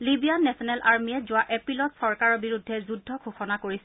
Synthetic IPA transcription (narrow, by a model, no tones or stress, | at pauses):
libijanːɛsɔnɛlʔaɹmijɛzʊaʔepɹilɔtsɔɹkaɹɔɹbiɹudʱːɛzudʱːɔkʰuxɔnakoɹisɛ